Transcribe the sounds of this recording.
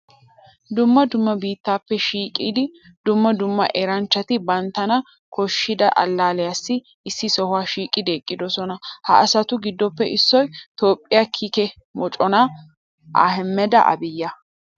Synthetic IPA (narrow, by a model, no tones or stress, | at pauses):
d̪ʊmːɐd̪ʊmːɐbiːt̪ːaːpːɛʃiːkʼiːd̪ɪ | d̪ʊmːɐd̪ʊmːɐ̰ʔeɾɐnt͡ʃːɐt̪ɪbɐnt̪ːɐnɐ | kʰɔʃːɪd̪ɐʔɐ̰lːaːlɛjasːɪ | ɪsːɪsɔhʊwaːʃiːkʼɪd̪eːkʼːɪd̪ɔsɔnɐhɐ̰ɐsɐt̪ʊɡɪd̪ːɔpːɛʔɪsːɔjt̪o̞ːpʼːɪjakʰikɛ | mɔt͡ʃʼɔna | ʔa̰ːɦɛmːɛd̪ɐ̰ʔɐ̰bɪjːɐ